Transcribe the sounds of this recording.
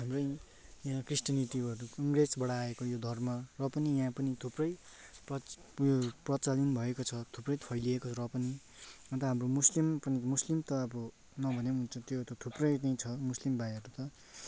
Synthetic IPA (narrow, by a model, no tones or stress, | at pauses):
ɦamrʌj | jãkrisʈjʌnit̪iʌɾukʌŋɡresbʌɽaekojod̪ʱʌrmʌrʌpʌnijãpʌnit̪ʰuprʌj | prʌ | joprʌt͡salinbʱʌekot͡sʰʌt̪ʰuprʌjpʰʌjliekot͡sʰɾʌpʌni | ʌ̃nt̪ʌɦamromuslimpʌnimuslimt̪ʌʌbʌ | nʌbʱʌneɦunt͡sʰʌ̃t̪jot̪ʌt̪ʰuprʌjt͡saĩt͡sʰʌmuslimbajɦʌɾut̪ʌ